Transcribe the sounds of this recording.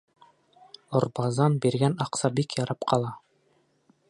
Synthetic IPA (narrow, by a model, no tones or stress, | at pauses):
ŏɾbɑzɑnbiɾɡænɑqsɑbikjɑɾɑpqʰɑlˠɑ